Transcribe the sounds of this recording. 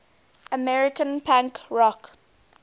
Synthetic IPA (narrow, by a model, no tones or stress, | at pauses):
əmɛɹɪkə̃npʰãŋkɹɔk